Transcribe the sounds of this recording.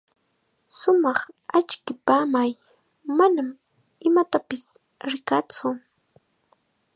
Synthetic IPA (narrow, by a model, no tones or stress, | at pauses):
sʊmɑχat͡ʃkɪpaːmaj | manam | ɪmat̪apɪs | ɾɪkat͡sʊ